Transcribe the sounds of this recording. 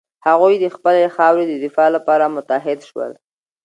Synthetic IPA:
haɣujd̪əxpəlexɑwɾed̪əd̪ɪfɑlapɑɾamʊt̪aɦɪd̪ʃwə̰l

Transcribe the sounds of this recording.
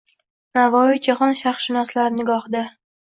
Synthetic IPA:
navɒid͡ʒaχɒnʃaχʃʃɪnɒslaɾnɪɡɒhd̪a

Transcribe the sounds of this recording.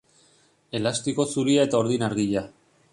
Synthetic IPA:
e̞last̪iko̞suɾiae̞t̪aoɾðinaɾɣiʎa

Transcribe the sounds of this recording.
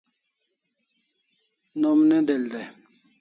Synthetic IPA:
nomned̪eld̪ɛ

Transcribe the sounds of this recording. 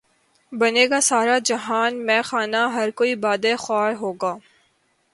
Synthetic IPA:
bɐneːɡasaːɾad͡ʒɐɦaːnmɛ̃ːxaːnaɦɐɾkoːibaːd̪exɔːɾɦoːɡaː

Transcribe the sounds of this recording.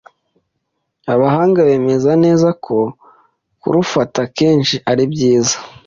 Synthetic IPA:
aβaɦaːŋɡaβe̞ːme̞zane̞ːzakʰo̞ | kṵɾufatake̞ːnʃiʔaɾibɟiːzḁ

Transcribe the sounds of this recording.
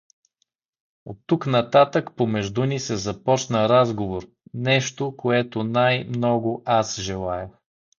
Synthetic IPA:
ot̪ːuknɐt̪at̪əkpomɛʒd̪unisɛzɐpɔt͡ʃnəɾazɡovoɾ | nɛʃt̪okʰoɛt̪onajmnɔɡʊʔasʒɛlˠajə

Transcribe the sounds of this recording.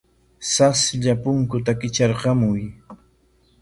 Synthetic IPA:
sasʎapʊŋkʊt̪akɪt͡ʃɑɾqɑmʊj

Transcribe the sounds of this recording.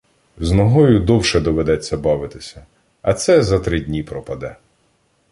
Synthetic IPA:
znɔɦɔjʊd̪ɔwʃɛd̪ɔʋed̪ɛt͡sʲːɐbɑʋɪt̪ɪsʲɐ | ɐt̪sɛzɐt̪ɾɪdʲnʲipɾɔpɐd̪ɛ

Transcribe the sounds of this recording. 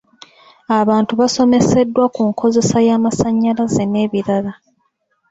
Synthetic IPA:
aβaːntuβaso̞me̞se̞dːwakuŋkʰo̞ze̞sajaːmasaɲːalazene̞ːβiɾala

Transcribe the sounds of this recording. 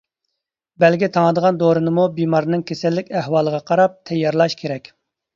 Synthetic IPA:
bɛlɡʲit̪ʰɑŋəd̪əʁɑnd̪oɾɨnɨmubimɑɾnɨŋkʲʰesɛlːɪkʲæhwɑːlˠəʁɑqʰɑɾɑp̚t̪ʰɛjːɑɾlˠɑʃkʲʰeɾɛkʲ

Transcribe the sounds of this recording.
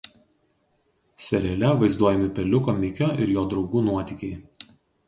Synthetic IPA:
sʲɛɾʲɛlʲɛʋɐɪzd̪uɔjɛmʲɪpʲɛlʲʊkoːmʲɪkʲoːʔɪɾjoːd̪ɾɒʊɡuːnuɔt̪ʲɪkʲɛɪ

